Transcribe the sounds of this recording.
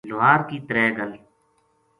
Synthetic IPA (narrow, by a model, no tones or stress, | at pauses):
lʊɦaːɾkiːt̪əɾɛːɡəl